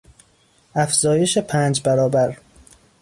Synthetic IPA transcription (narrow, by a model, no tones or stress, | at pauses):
ʔæfz̥ɒːje̞ʃepʰæːnd͡ʒbæɾɒːbæɾ